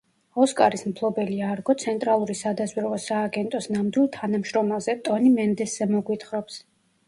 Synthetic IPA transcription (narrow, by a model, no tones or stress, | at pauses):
ɔskʼaɾismpʰlˠɔbɛliaɾɡɔt̪sʰɛnt̪ʼɾalˠuɾisad̪azwiɾvɔsaːɡɛnt̪ʼɔsnamd̪wilˠt̪ʰanamʃɾɔmazɛt̪ʼɔnimɛnd̪ɛszɛmɔɡwit̪ʰχɾɔps